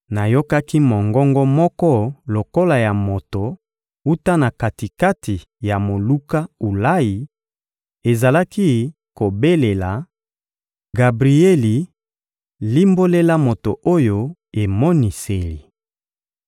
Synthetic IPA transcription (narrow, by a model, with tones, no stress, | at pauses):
na˨jo˦ka˦ki˦mɔ˨ŋɡɔ˦ŋɡɔ˦mɔ˦kɔ˦lo˨ko˦la˨ja˨mo˨to˨ | u˦ta˦na˨ka˨ti˨ka˦tʰi˨ | ja˨mo˨lu˦ka˦u˨la˦ji˨ | e˨za˨la˦ki˦ | ko˨be˦le˨la˨ | ɡa˨bʁi˨e˦li˨ | li˦mbo˦le˦la˦mo˨to˨ʔo˦jo˦e˨mɔ˦ni˨se˨li˨